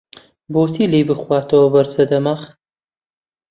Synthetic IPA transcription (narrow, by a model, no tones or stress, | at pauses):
boːsiːlejbɨxwaːt̪ɐwɐbɐɾsɐd̪ɐmaχ